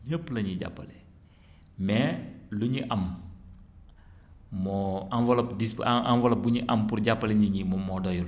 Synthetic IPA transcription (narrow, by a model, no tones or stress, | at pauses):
ɲəpːlɐɲiɟa̰pːɐlɛ | mɛluɲiʔɐm | mɔɐnvɐlɐpdisanvɐlɐbuɲiʔɐmpuɾɟapːɐlɛɲiɲimɔmɔdɔjul